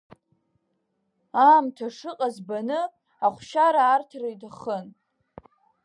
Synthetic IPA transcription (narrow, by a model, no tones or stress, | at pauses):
aːmtʰaʂɨqʼazbanɨ | aχʷʃaɾaːrtʰrejtʰaχən